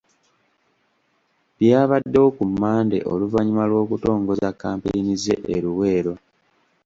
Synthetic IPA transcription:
βjaːβadːeokumːaːnde̞̰ʔo̞̰luvaɲimalwo̞ːkuto̞ːŋɡo̞zakːaːmpeinize̞̰ʔeɾuwe̞ːɾo̞

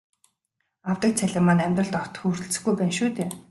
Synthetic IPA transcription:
awt̪ə̆k̚t͡sʰæɮʲɪ̆mːanæmʲt̪rə̆ɬt̪ɔw̥t̪xuːr̥t̪ɘ̆ɬt͡sɘ̆xɡujpæːnʃuːt̪eː

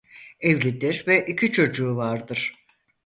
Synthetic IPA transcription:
ɛvlʲid̪iɾvɛʔicʰit͡ʃʰo̞d͡ʒuːvaɾd̪ɯɾ̥

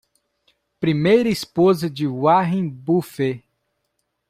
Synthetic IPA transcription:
pɾimejɾɐispozɐd͡ʒɪwaɦẽjbufe

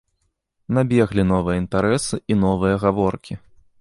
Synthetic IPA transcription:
nabʲɛɣlʲinɔvɨjɐint̪aɾɛsɨinɔvɨjɐɣavɔrkʲʰi

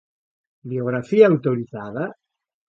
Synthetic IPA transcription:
bioɣɾafiaːwt̪oɾizaða

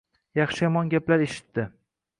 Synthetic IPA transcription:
jɑχʃɪjɒmɒnɡʲaplaɾeʃɪ̥t̪ːɪ

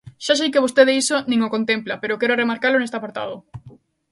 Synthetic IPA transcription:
ʃasejkeβ̞ost̪eðeisonĩŋokont̪emplapeɾokɛɾʊremaɾkaɾlʊnest̪eapaɾt̪a̰ð̞ʊ

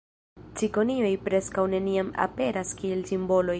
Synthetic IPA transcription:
t͡siko̞nio̞jpɾe̞skawne̞niama̰pe̞ɾaskie̞lsimbo̞lo̞j

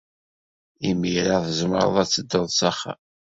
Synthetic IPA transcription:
imiɾaðəzmə̰ɾˤə̰ðˤæt͡sːəd̪ːəðˤsɑχa̰

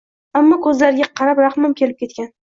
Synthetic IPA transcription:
amːɒkʰɵzlaɾɪɡʲaqʰɑɾapɾaχmamkʲʰe̞lɪp̚kʲe̞t̪kʲan

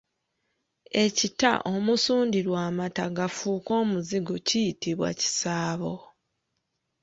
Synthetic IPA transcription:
e̞cita̰ʔo̞musuːndiɾwaːmataɡafuːko̞ːmuziɡocijitiβwa̰ci̥saːβo̞

